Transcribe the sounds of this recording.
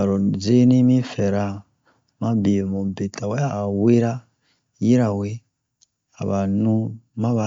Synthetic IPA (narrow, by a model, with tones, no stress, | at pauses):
a˨ɾɔ˨ze˦nĩ˦mĩ˦fɛ˨ɾa˦ | mã˦bi˨mɔ̃˨be˨ta˨wɛ˦aː˦˨we˦ɾa˦ | ji˦ɾa˨we˦ | a˨βa˨nũ˦mã˦βa˨